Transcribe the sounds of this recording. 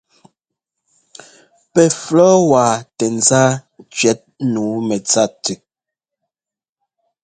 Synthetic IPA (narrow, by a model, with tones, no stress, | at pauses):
pɛ˨flɔː˦waː˨tɛ˨n˨za˦ | t͡ʃɥɛ˨˦t̚nuː˨˦mɛ˨t͡sa˦˨te˨